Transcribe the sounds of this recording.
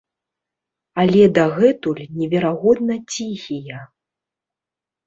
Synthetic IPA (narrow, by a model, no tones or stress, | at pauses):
alʲɛd̪ɐɣɛt̪ulʲnʲɛvʲɛɾaɣɔd̪̚nɐt͡sʲixʲijɐ